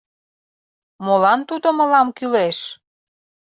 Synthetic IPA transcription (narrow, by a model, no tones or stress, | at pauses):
molɑnt̪ud̪omə̆lɑmkyleʃ